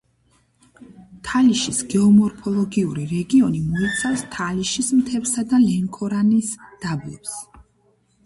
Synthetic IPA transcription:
t̪ʰaliʃisɡ̥ɛɔmɔɾpʰɔlˠɔɡiuɾiɾɛɡiɔnimɔit̪sʰafst̪ʰaliʃismt̪ʰɛvsad̪alɛŋkʰɔɾanisd̪̥ablɛ̰ps

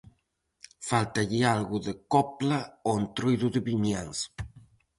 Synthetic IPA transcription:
falt̪aʎialɣuðekɔplaoent̪ɾujðuðeβiɲaŋs

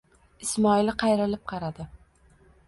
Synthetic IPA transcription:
ɪsmɒɪlqʰɑjɾɪlɪp̚qʰɑɾad̪ɪ

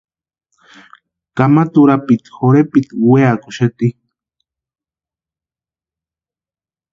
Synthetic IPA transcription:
kamat̪uɾapit̪xoɾepit̪weakuʃet̪i

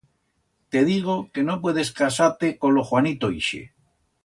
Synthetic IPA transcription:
t̪e̞ðiɣ̞oke̞nopwe̞ðe̞skasaɾt̪eko̞loxwanit̪oiʃḛ

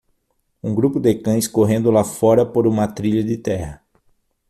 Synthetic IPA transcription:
ũŋɡɾupʊd̪ekɐ̃j̃skoɦẽnd̪ʊlafɔɾɐpoɾũmɐt̪ɾiʎɐd̪ɪt̪ɛhɐ

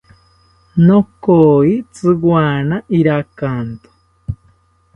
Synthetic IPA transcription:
nokoit͡sɨɣwaːnaʔiɾakant̪o̥

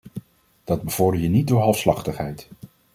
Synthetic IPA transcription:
d̥ɑd̚bəv̥ɔɹdəɹjənit̚dʊːɹɦɑlˠfslɑχtəχɦɛjt

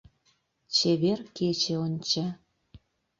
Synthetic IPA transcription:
t͡ɕeβerket͡ɕeonʲt͡ɕa

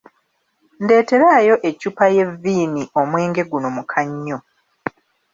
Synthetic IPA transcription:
nde̞ːte̞ɾaːjo̞ʔe̞cupaje̞viːniʔo̞mwe̞ːŋɡe̞ɡuno̞mukʰaɲːo̞

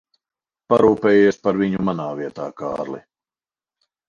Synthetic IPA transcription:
paɾuːpɛːjiɛspaɾviɲumanaːviɛt̪a̰ːka̰ːɾlḭ

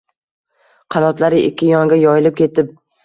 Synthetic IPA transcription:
qʰɑnɒt̪laɾɪʔɪ̰kʲːɪjɒŋɡʲajɒjɪlɪp̚kʲʰe̞t̪ɪp̚

